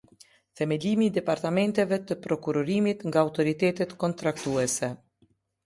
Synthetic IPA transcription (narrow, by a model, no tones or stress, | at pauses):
θɛmɛlimiːd̪ɛpaɾt̪amɛnt̪ɛvɛt̪əpɾɔkuɾɔɾimit̪ŋɡaːwt̪ɔɾit̪ɛt̪ɛt̪kɔnt̪ɾakt̪uɛsɛ